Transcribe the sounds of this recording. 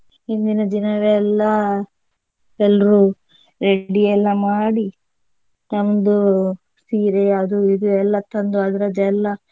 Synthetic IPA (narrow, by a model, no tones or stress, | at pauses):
ɦind̪inɐd̪inɐʋɛlːɐ | ɛlːɾu | ɾeɖiɛlːɐmaːɽi | nɐʋnd̪u | siːɾeɐd̪uid̪uɛlːɐt̪ɐnd̪uɐd̪ɐɾɐd̪ɛlːɐ